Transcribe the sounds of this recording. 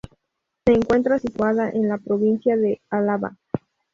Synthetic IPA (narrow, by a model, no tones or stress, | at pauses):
se̞ːŋkwe̞nt̪ɾasit̪waðaʔenlapɾoβinsjaðealaβa̰